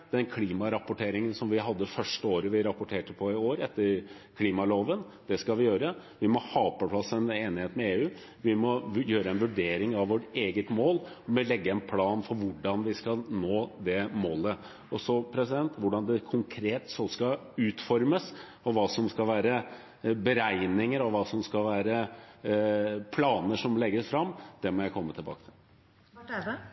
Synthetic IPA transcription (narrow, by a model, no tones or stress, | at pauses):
d̪ɛnkʰliːmɑɾɑpːʊʈʰeːɾɪŋənsɔmʋɪɦɑd̪ːəfœʂʈəoːɾəʋɪɾɑpʊʈʰeːʈəpʰɔɪoːɾɛt̪ːəɾ | kʰliːmɑloːʋən | d̪̥ɛskɑʋɪjøːɾə | ʋɪmɔhɑːɔpːəpʰlɑsːɛneːnɪheːt̪mɛeːʉː | ʋɪmɔjøːɾəɛnʋʉɖeːɾɪŋɑʋʋɔʈeːɡət̪moːlɔmlɛɡːəɛnpʰlɑːnfɔɾʋʊɖɑnʋɪskɑlnoːd̪ɛmoːlə | ɔsɔpʰɾɛsɪd̪ɛnt̪ʋʊɖɑnd̪ɛkʰʊŋkʰɾeːt̪sɔskɑ | ʉːt̪fɔɾməs | ɔʋɑːsɔmskɑlʋæːɾə | bəɾæɪnɪŋəɾɑʋʋɑːsɔmskɑʋæːɾə | pʰlɑːnəʂɔmlɛɡːəsfɾɑmːd̪̥ɛmɔjæɪkʰɔmːət̪ʰɪlbɑ̰ːkə̥t̪ʰɪl